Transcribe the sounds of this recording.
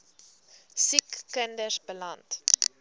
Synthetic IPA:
sikːəndəsbəlɐnt

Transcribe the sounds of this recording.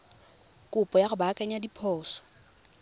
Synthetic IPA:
kʼʊpʼɔjaχʊbakʼaɲadipʰɔːsɔ̥

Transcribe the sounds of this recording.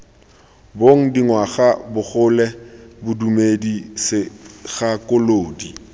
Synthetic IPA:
boŋ̩diŋwaɣabʊχʊlɛbʊdumedisɪɣakʊloːdi

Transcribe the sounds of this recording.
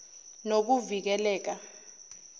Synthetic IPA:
nok̬uvik̬ɛlɛːk̬a

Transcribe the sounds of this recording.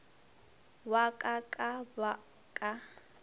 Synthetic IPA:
wakʼakʼaba | kʼa

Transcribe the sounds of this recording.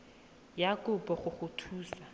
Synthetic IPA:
jakʼʊpɔχʊχʊtʰuːsa

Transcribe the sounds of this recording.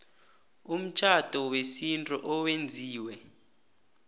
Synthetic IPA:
um̩t͡ʃʰʼad̥ʱɔwesintʼuʔɔwend͡zʱiːwɛ

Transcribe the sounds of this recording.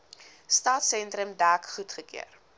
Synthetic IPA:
stɑːtsɛntɾəmdæːkχutχəkḭə̰r

